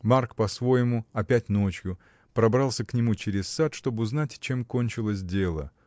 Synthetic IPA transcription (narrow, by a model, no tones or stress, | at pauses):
markpɐsvo̞jɪmʊɐpʲætʲno̞t͡ɕjʊ | pɾɐbɾɑlˠsʲəknʲɪmut͡ɕeɾʲɪssat̪ʂt̪o̞bɨʊznatʲt͡ɕe̞mko̞nʲt͡ɕɪlˠəs̬ʲdʲelˠə̰